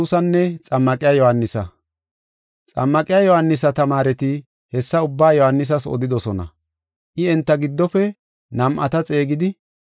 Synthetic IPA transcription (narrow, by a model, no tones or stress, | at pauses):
uːsɐnːɛt͡sʼɐmːɐkʼɪjaːjɔhɐnːɪsɐ | t͡sʼɐ̰mːɐkʼɪjaːjɔhanːɪs̬ɐt̪ɐmaːɾɛt̪ɪ | hɛsːɐʊbːaːjɔhɐnːɪs̬ɐsɔ̰d̪ɪd̪ɔsɔnɐ̰ | ʔɪɛnt̪ːɐɡɪd̪ːɔfɛ | nɐmʔɐ̰t̪ɐt͡sʼe̞ːɡɪd̪ɪ